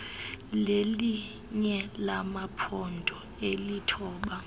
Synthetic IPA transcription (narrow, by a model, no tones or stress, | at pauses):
leli | ɲɛlamapʰɔndʱɔ | elitʰɔːɓa